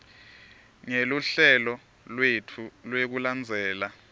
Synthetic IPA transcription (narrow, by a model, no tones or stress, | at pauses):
ŋeluɬɛlɔ | lwetʰulwek̬uland͡zʱɛːla